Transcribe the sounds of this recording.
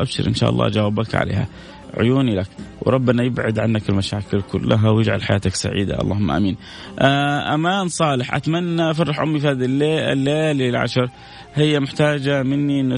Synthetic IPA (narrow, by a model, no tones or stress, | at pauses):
ʔabʃɪ̰ɾʔɪ̰nʃa̰ːʔɑ̰lˤːɑ̰ːd͡ʒawaːbakʕa̰lḛːha̰ | ʕʊ̰juːnilakwɾˤɑbːɪnːajɪbʕad̪ʕanːakɪlmaʃaːkɪlkʊlːaɦawjɪd͡ʒʕa̰lħajaːt̪aksa̰ʕḭːd̪a̰ʔɑ̰lˤːɑːhʊmːaʔa̰ːmiːn | ʔaʔamaːnsˤɑːlɪħʔa̰t̪manːaʔafɑrˤːɪħʔʊmːifihaːðilḛːlːeːlɪlʕa̰ʃɑɾˤ | hɪjːamɪħt̪aːd͡ʒamɪnːiʔɪnːʊ